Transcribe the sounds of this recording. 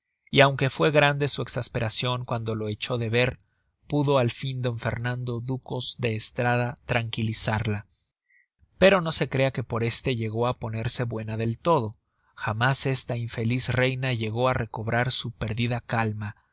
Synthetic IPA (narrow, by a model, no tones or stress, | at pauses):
iawŋke̞fwe̞ɣɾand̪e̞sue̞ksaspe̞ɾasjo̞ŋkwand̪o̞lo̞e̞t͡ʃo̞ðe̞βe̞ɾ | puðo̞alfind̪o̞ɱfe̞ɾnãnd̪o̞ðuko̞zðe̞ːst̪ɾaðat̪ɾaŋkilisaɾla | pe̞ɾo̞no̞se̞kɾe̞ake̞po̞ɾe̞st̪e̞ʝe̞ɣo̞apo̞ne̞ɾse̞βwe̞naðe̞lt̪o̞ð̞o̞ | xamase̞st̪aiɱfe̞lisre̞jnaʝe̞ɣo̞are̞ko̞βɾaɾsupe̞ɾðiðakalma